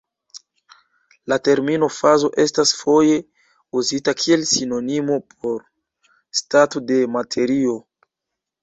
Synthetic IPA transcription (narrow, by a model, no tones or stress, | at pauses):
late̞ɾmino̞fazo̞ʔe̞stasfo̞je̞ | uzitakʰie̞lsino̞nimo̞pʰo̞ɾ | statode̞matʰe̞ɾio̞